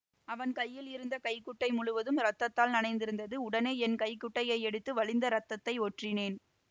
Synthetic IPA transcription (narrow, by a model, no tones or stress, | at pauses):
ɐʋɐnkɐjːɪlɪɾɯnd̪ɐkɐɪkʊʈːɐɪmʊɻʊʋɐðɯmɾɐt̪ːɐt̪ːaːlnɐnɐɪnd̪ɪɾɯnd̪ɐðɯʊɽɐneːɛnkɐɪkːʊʈːɐjɐɪɛɽɯt̪ːɯʋɐɭɪnd̪ɐɾɐt̪ːɐt̪ːɐɪoːʈrɪneːn